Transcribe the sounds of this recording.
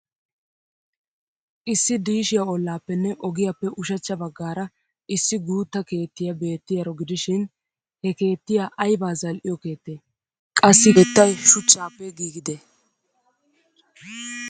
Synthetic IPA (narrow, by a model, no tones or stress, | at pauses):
ʔɪsːɪd̪iːʃɪjɐɔlːaːpːɛnːɛʔɔɡɪjapːɛʔʊʃɐt͡ʃːɐbɐɡːaːɾɐ | ʔɪsːɪɡuːt̪ːɐke̞ːt̪ːɪjɐbe̞ːt̪ːɪjɐɾɔɡɪd̪ɪʃɪn | hɛke̞ːt̪ːɪjaʔɐjbaːzɐlʔɪjɔke̞ːt̪ːe | kʼɐsːɪɛt̪ːɐjʃʊt͡ʃʼːaːpːɛɡiːɡɪd̪ɛ